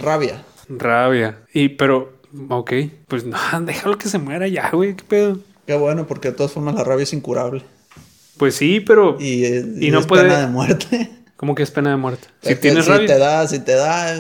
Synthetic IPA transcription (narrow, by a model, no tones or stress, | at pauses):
raβja̰ | raβjaipe̞ɾo̞ | okejpwesnad̪exalokesemweɾaʝa̰ɣwejkepeðo | ke̞βwe̞no̞po̞ɾke̞ð̞et̪o̞ðasfo̞ɾmaslaraβjaesiŋkuɾaβle | pwe̞sːipe̞ɾo̞iinos̬weeðenaðemweɾt̪ʰe | ko̞mo̞keespe̞naðemweɾt̪e̥sit̪jeneraβjat̪eðasit̪eða